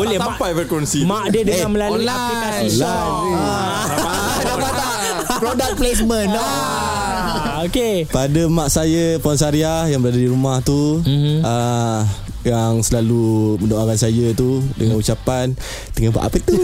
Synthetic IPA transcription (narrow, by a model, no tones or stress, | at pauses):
bolɛhmpajfɾekwɛnsimaʔdədəŋanməlaluapinasisla | dapodaʔ | pɾodak̚ples̬mənɔ | okepadəmaʔsajəpɔnsaɾiahjaŋbəɾadadiɾumaht̪u | ə | jaŋsəlaluməndoaɾansajət̪udə̰ŋãnut͡ʃapan | t̪əŋaba̰ʔa̰pət̪u